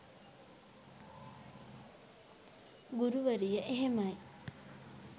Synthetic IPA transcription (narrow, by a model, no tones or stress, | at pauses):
ɡuɾuʋəɾijəʔeɦemaj